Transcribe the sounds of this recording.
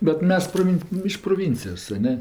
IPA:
bʲɛt ˈmʲɛs proːˈʋʲɪn ɪʃ proːˈʋʲɪnʲt͡sʲɪjoːs ɐ ˈnʲɛ

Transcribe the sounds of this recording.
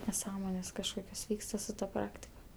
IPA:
nʲɛˈsɑːmoːnʲeːs kɐʃˈkoːkʲoːs ˈʋʲiːkstɐ sʊ tɐ ˈprɑːktʲɪkɐ

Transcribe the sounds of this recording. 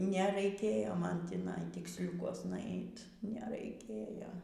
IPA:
nʲɛrɐɪˈkʲeːjoː ˈmɐn tʲiːˈnɐɪ tʲɪksʲˈlʲʊkuɔsnɐ ˈɐɪt nʲɛrɐɪˈkʲeːjoː

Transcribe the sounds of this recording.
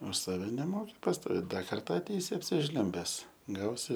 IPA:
ʊʃ ˈsɑːʋʲɛ nʲɛˈmoːkʲɪ pɐstoːˈʋʲeːt ˈdɐ ˈkɐrtɐ ɐtʲˈɛɪsʲɪ ɐpʲsʲɪˈʒʲlʲʊmʲbʲɛs ˈɡɐʊsʲɪ

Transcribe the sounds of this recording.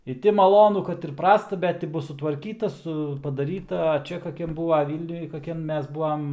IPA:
ɪ ˈtʲɪ mɐˈlˠoːnʊ kɐt ɪr ˈprɑːstɐ ˈbʲɛt tʲɪ ˈbʊs sʊtʋɐrʲˈkʲiːtɐ ˈsʊ pɐdɐˈrʲiːtɐ ɐ ˈt͡ʃʲɛ kɐˈkʲɛm ˈbuːʋɐ ˈʋʲiːlʲnʲʊj kɐˈkʲɛm ˈmʲɛs ˈbuː ɐm

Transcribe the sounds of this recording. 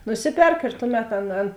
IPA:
nʊˈsʲɪˌpʲɛrk ɪr ˈtʊˌmʲɛt ˈɐn ˈɐn

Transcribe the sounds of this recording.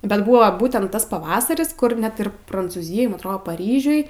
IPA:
bʲɛt ˈbʊʋoː ˈbuːtʲɛnt ˈtɐs pɐˈʋɑːsɐrʲɪs ˈkʊr ˈnʲɛt ɪr prɐnt͡suːˈzʲɪjoːj ɐtˈroːdoː pɐˈrʲiːʒʲʊj

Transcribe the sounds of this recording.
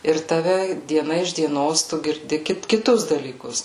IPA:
ɪr tɐˈʋʲɛ dʲiɛˈnɐ ɪʃ dʲiɛˈnoːs tʊ ɡʲɪrʲˈdʲɪ ˈkʲɪt kʲɪˈtʊs dɐlʲiːˈkʊs

